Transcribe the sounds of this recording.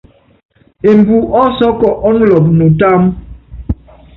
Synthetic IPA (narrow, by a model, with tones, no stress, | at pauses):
e˨m˨bu˨ʔɔ˦sɔ˦kɔ˨ʔɔ˦nlɔ˨p̚nu˨ta˦m